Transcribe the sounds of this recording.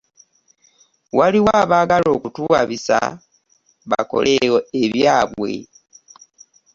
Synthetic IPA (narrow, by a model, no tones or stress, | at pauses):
waliwaːβaɡalo̞ːkutuaβisa̰ | βa̰ko̞̰leoeβjaːβwe̞̰